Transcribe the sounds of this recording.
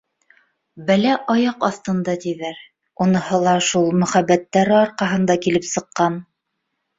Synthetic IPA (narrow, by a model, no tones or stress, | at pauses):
bælæʔɒjɑqɑθt̪ɤ̆nd̪ɑt̪iðæɾ | unɤ̆hɤ̆lˠɑʃulˠmɵ̆χæbːæt̪ːæɾɘɒɾqɑɦɤ̆nd̪ɑkilɘpsɤ̆qːɑn